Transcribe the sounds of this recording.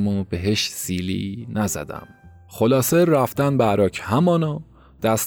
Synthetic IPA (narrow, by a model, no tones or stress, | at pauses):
mobe̞ɦe̞ʃsiːlḭːnæzæ̰d̪æ̰m | χolɒːseɾæft̪ænbeæɾɒːcʰhæmɒːnɒː | d̪̥æst̪